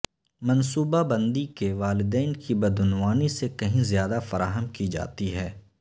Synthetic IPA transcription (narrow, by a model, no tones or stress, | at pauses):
mɐnsuːbabɐ̃nd̪ikeʋaːlɪd̪ɛːnkibɐd̪ʊnwaːnisekɐɦĩzjaːd̪afɐɾa̰ːɦəmkid͡ʒa̰ːt̪iɦɛː